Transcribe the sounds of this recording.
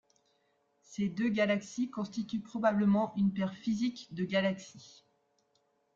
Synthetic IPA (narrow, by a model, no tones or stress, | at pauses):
sed̪øɡalaksikɔ̃st̪it̪ypχɔbabləmɑ̃ʔynpɛʁfizikd̪əɡalaksi